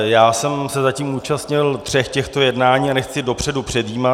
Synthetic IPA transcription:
jaːsɛmsɛzaciːmuːt͡ʃast̪ɲɪlt̪r̝̥ɛxcɛxt̪o̞jɛdnaːɲiːanɛxt͡sɪdo̞pr̝̥ɛdupr̥ɛd̪jiːma

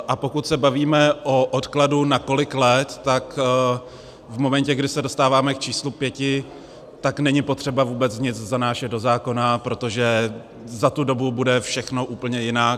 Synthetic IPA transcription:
ʔapo̞kut̪sɛbaviːmɛʔoʔot̪kladunako̞lɪklɛt̪ːak | vmo̞mɛncɛɡdɪsɛdo̞st̪aːvaːmɛk̚t͡ʃiːslupjɛcɪ | t̪aknɛɲɪpo̞t̪r̝̥ɛbavuːbɛt͡sɲɪt͡szanaːʃɛd̪do̞zaːko̞napɾo̞t̪o̞ʒɛ | zat̪udo̞bubudɛfʃɛxno̞ʔuːpl̩ɲɛjɪnaːk

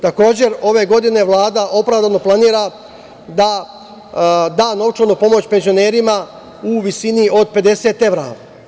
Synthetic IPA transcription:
t̪ako̞ːd͡ʑe̞ɾo̞ʋe̞ɡo̞d̪ine̞ʋlˠaːd̪aʔo̞pɾaʋd̪anoplˠaniːɾa | d̪a | d̪aːno̞ʋt͡ʃod̪nupo̞mo̞t͡ɕpe̞nzione̞ːɾima | uʋisinio̞d̪̚ped̪e̞se̞ːt̪e̞ʋɾa̰

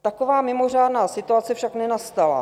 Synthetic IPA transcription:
t̪akovaːmɪmo̞r̝aːdnaːsɪt̪uat͡sɛfʃaknɛnast̪ala̰

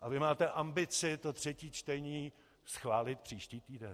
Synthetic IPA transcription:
ʔavɪmaːt̪ɛʔambɪt͡sɪt̪ot̪r̝̥ɛciːt͡ʃt̪ɛɲiː | sxvaːlɪt̪pr̝̥iːʃciːt̪iːdɛn

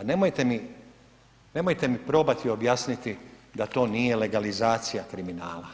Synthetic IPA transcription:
ne̞mo̞jt̪e̞mi | ne̞mo̞jt̪e̞mipɾo̞ːbat̪io̞bjaːsnit̪id̪at̪o̞ːniːje̞le̞ɡalizaːt̪sijakɾiminaːla

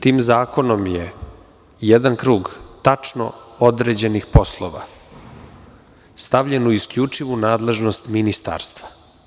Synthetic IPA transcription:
t̪iːmzaːko̞no̞mje | jed̪ankɾuːɡt̪at͡ʂno̰od̪ɾeːd͡ʑe̞nixpo̞slˠoʋa̰ | st̪aʋʎenuiskʎut͡ʂiʋunaːd̪le̞ʒnost̪minist̪a̰ːɾst̪vḁ

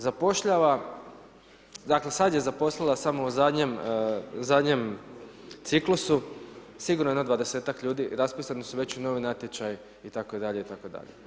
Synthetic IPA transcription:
zapo̞ʃʎaʋa | d̪akle̞sad̪je̞zapo̞slilˠasamouzad̪ɲemzad̪ɲe̞m | t̪siklusu | siɡuɾnojenod̪ʋad̪e̞se̞ːt̪akʎuːd̪iɾaspiːsanisuʋe̞t͡ɕuno̞ʋinat̪jet͡ʃaj | it̪akod̪aʎe̞it̪akod̪a̰ʎe̞

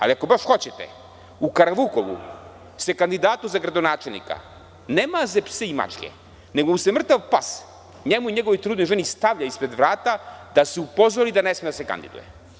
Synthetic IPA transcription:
a̰liako̞baʃxo̞t͡ɕet̪ḛ | ukaɾaʋukoʋṵ | se̞kand̪id̪aːt̪uzaɡɾad̪o̞naːt͡ʃelnḭka̰ | neːmazepseima̰t͡ʃkʲḛ | neɡousemr̩t̪aʋpas | ɲemuiɲeɡo̞ʋojt̪ɾuːd̪nojʒenist̪aʋʎaispɾe̞d̪ʋɾaːt̪ad̪aseupo̞zoɾid̪anesmed̪ase̞ka̰nd̪ḭd̪ṵjḛ

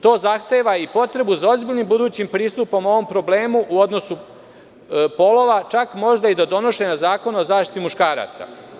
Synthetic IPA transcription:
t̪o̞ːzaxt̪e̞ːʋaipo̞t̪ɾe̞buzao̞zbiːʎʲnimbud̪uːt͡ɕimpɾiːst̪upo̞mo̞ʋo̞mpɾo̞ble̞ːmuʔuo̞d̪no̞su | po̞lˠo̞ʋat͡ʃakmo̞ʒd̪aid̪ad̪o̞no̞ʃe̞nazaːko̞nozaːʃt̪i̥t̪imuʃkaːɾa̰ːt̪sa̰

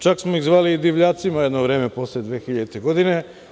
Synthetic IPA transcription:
t͡ʃaksmoiɣzʋaːliːd̪iʋʎaːt̪simajed̪noʋɾe̞ːmepo̞sled̪ʋeːxiʎad̪it̪eɡo̞d̪ine̞

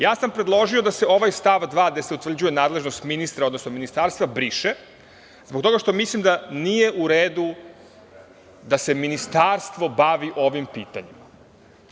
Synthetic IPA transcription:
jaːsampɾed̪lˠo̞ʒio̞d̪ase̞o̞ʋajst̪aʋd̪ʋaːɡd̪e̞seut̪vr̩d͡ʑuje̞naːd̪le̞ʒnost̪minist̪ɾaod̪nosno̞minist̪aːɾst̪vʋabɾiʃe | zbokt̪o̞ɡaʃt̪o̞mislimd̪anije̞ʔuɾeːd̪u | d̪ase̞minist̪aɾst̪ʋo̞baʋiʔo̞ʋimpiːt̪a̰ɲima

